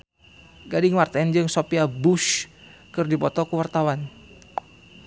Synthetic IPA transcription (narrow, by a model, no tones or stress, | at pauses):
ɡadɪŋmart̪ɛnd͡ʒɨŋsopiabuʃkɨrdipɔt̪ɔkəwart̪awan